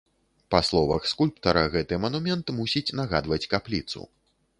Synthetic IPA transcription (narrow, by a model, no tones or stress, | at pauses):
paslˠɔvɐ̰xskulʲpt̪ɐɾɐɣɛt̪ɨmɐnumʲɛnt̪musʲit͡sʲnɐɣad̪vɐt͡sʲkaplʲit̪sṵ